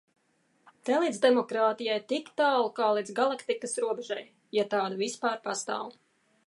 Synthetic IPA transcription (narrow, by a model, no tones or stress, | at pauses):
t̪ɛjlˠid̪zd̪ɛmɔkɾaːt̪ijajt̪ikt̪aːlˠkaːlˠid̪zɡalˠakt̪ikɐsɾuɔbɛʒaj | jat̪aːd̪uvispaːɾpast̪a̰ːw